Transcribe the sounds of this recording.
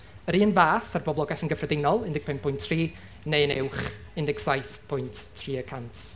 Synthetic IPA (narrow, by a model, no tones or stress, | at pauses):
əɾiːənvaːθarbɔblˠɔɡɛθənɡəfrədɪnɔlˠɪndɪɡ̚pʰɪmpʰʊjntʰriː | nejənɪwχɪndɪɡsajθpʰʊjntʰːriːəkʰantʰ